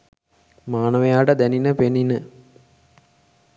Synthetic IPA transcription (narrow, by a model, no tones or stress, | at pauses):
maːnəʋejaːʈəd̪æninəpeninə